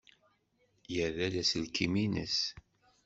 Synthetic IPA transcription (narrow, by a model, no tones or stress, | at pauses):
jəɾælæslkʰiminə̰s